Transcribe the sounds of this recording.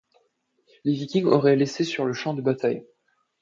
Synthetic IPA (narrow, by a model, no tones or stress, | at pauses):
levikʲĩŋɡɔʁɛlesesyʁləʃɑ̃d̪əbat̪aj